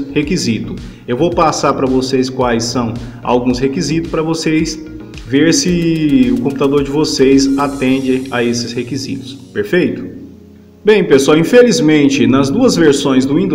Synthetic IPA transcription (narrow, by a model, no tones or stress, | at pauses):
hekizit̪ʊ | ewvowpasaɾpɾɐvosejskwajsːɐ̃w̃a̰wɡũshekizit̪ʊ̥spɾɐvosejs | veɾsɪʊkõmput̪ad̪oɾd͡ʒɪvosejsat̪ẽd͡ʒɪaesɪshekizḭt̪ʊ̥speɾfejt̪ʊ̥ | bẽj̃peswawĩfelizmẽnt͡ʃɪnɐzd̪uɐzveɾsõj̃zd̪ʊĩnd̪